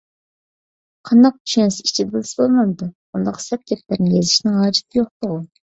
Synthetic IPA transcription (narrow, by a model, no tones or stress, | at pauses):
qʰɑnd̪ɑq̚t̪y̥ʃɛnsɪi̥t͡ʃʰid̪ɛbɪlɪsɪbolˠmɑnd̪ɨ | und̪ɑqsɛp̪̚kʲɛp̚læɾnɪjezɪʃnɪŋhɑːd͡ʒɪ̥t̪ʰɪjoχt̪ʊʁʊ